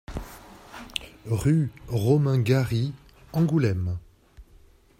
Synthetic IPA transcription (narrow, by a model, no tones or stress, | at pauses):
ʁyʁɔmɛ̃ɡaʁi | ɑ̃ɡulɛm